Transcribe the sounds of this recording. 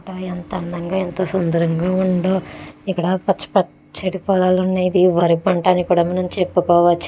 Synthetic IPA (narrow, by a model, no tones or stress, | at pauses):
ʈaːent̪ɐɐnd̪ɐŋɡaːent̪oːsond̪ɐɾɐŋɡaːuɳɖoːikːɐɽɐpɐt͡ʃːɐ̥pɐ | t͡ʃɐʈipɔːlaːlunːajid̪iʋɐɾipɐɳʈaːnikuːɽɐmɐnɐmt͡ʃepːukɔːʋɐt͡ʃː